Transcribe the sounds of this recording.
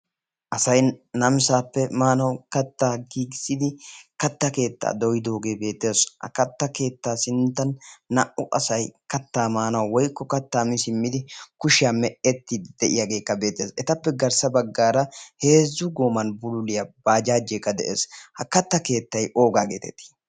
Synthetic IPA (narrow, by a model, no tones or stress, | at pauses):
ʔɐsɐjnɐmsaːpːɛmaːnɐwkɐt̪ːaːɡiːɡɪsɪd̪ɪkɐt̪ːɐke̞ːt̪ːa̰ːd̪ɔjɪd̪o̞ːɡe̞ːbe̞ːt̪ːe̞ːshɐ̰kɐt̪ːɐke̞ːt̪ːaːsɪnt̪ːɐnːɐʔʊʔɐsɐjkɐt̪ːaːmaːnɐwwɔjkːɔkɐt̪ːaːmɪsɪmːɪd̪ɪkʊʃɪjaːmɛʔɛt̪ːid̪d̪̥ɛʔɪ̰jaɡe̞ːkːɐbe̞ːt̪ːe̞ːsɛt̪ɐpːɛɡɐɾsɐbɐɡːaːɾɐhe̞ːzːʊɡoːmɐnbʊlʊlɪjabaːd͡ʒaːd͡ʒːeːkːɐd̪ɛʔeːshɐkɐt̪ːɐke̞ːt̪ːɐjʔo̞ːɡaːɡḛːt̪ɛt̪ːi̥